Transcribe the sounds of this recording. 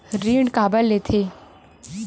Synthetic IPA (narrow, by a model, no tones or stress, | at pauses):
ɾiːɳɖkaːbəlːet̪ʰeː